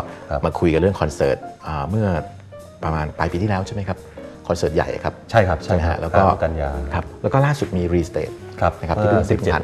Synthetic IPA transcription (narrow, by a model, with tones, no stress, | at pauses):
maː˧kʰu˧jka˨˩ɾɯ˥˩əŋkʰɔ˧nsɤ̰ː˨˩t̪̚ʔəː˨˩mɯ˥˩ɐ | pɾa˧maː˧npaː˧piː˧t̪ʰiː˥˩lɛː˦˥wt͡ɕʰa˥˩ma˦˥kʰa˦˥p̚kʰɔː˧nsɤː˨˩t̪̚ja̰˨˩jʔa̰˩kʰa˦˥p̚t͡ɕʰa˥˩jkʰa˦˥p̚t͡ɕʰa˥˩˦a̰˦˥lɛː˦˥wkɔː˥˩ka˧njaː˧kʰa˦˥p̚lɛː˦˥wkɔː˥˩laː˥˩su˨˩t̪̚miː˧ɾiː˧st̪ḛː˨˩t̪̚ʰ | p̚na˦˥kʰa˦˥t̪ʰːŋsʰi˨˥˩pʰːa˧